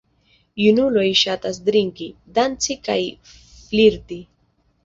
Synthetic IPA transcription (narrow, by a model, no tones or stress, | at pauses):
junulojʃat̪as̬d̪ɾiŋkid̪ant͡sikaj | fliɾt̪i